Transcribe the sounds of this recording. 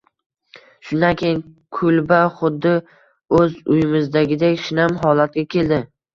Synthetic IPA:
ʃʊnd̪akʲʰejɪŋ | kʰʊlbaχʊd̪ːɪ | ɵzʊjɪmɪzd̪aɡʲɪd̪ekʲʃɪnamɦɒlat̪̚ɡʲakʲʰe̞ld̪ɪ

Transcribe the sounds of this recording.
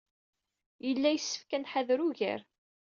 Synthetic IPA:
jəlːæjəsːə̥fkænħaðɾuʝæ̰ɾ

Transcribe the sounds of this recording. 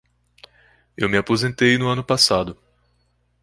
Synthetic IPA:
ewmɪapozẽnt̪ejnʊɐ̃nʊpasad̪ʊ

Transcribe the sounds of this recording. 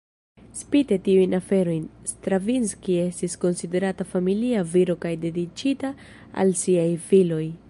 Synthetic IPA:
spite̞tiujnafe̞ɾo̞jnstɾavinskie̞stisko̞nside̞ɾatafamiliaviɾo̞kajde̞dit͡ʃita | a̰lsiajfilo̞j

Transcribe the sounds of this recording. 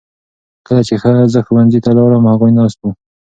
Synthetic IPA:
kəlat͡ʃexəzəxəwanzit̪alɑɾəmhaɣujnɑst̪u

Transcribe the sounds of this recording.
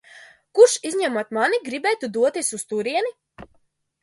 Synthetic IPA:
kuɾʃizʲɲɛmaɔt̪maniɡɾibɛːjt̪ud̪uɔt̪iɛsust̪uɾiɛni

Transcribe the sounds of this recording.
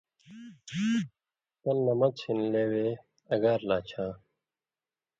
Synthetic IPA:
t̪ɐnːɐmɐt͡ɕʰinleːweː | ɐɡaːɾlaːt͡ɕʰãː

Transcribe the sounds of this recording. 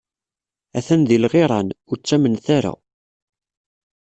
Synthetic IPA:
æθænðilʁeɾˤɑnʊɾt͡sːæmənθaɾa̰

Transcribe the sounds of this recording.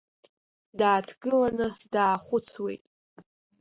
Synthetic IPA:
daːtʰɡɨlanɨdaːχʷʊt͡sʰwe̞̰jtʼ

